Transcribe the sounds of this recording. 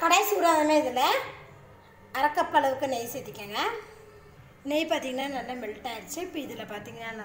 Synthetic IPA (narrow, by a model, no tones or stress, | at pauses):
kɐɽɐjsuːɾaːðɐmeːɪðɪlɐ | ɐɾɐkːɐpːɐɭɐʋɯkːɯnɛjsɛjt̪ːɪkːãːŋɡɐ | nɛjpaːɾt̪iːŋɡɐnːaːnɐlːɐmɛɭʈːaːɪɾɯt͡ʃːɐɪpːɯɪðɪlːɐpaːɾt̪iːŋɡɐnːaːnɐ